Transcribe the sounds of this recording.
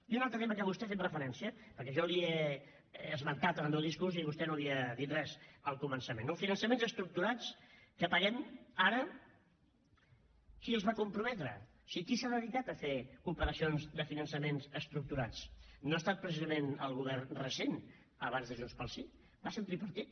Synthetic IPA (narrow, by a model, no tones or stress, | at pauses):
iunalˠt̪ɾət̪eməkaβust̪ɛfet̪rəfəɾɛnsiəpəɾkɛʒɔlie | əzmənk̪at̪ənəlˠmewðiskuziβust̪ɛnoliəðit̪rɛzəlˠkumənsəmenofinənsəmẽnzəst̪ɾuk̚t̪uɾat͡skəpəɣɛmaɾə | kiəlˠzβakumpɾumɛt̪ɾə̰̥ | sikisaðəðikat̪əfekumpəɾəsionzðəfinənsəmenzəst̪ɾuk̚t̪uɾat͡snoast̪at̪̚pɾəsizəmenəlˠɣ̞uβ̞ɛrrəsen | əβanzðəʒunspəlˠsi | baset̪ɾipəɾt̪it̪̚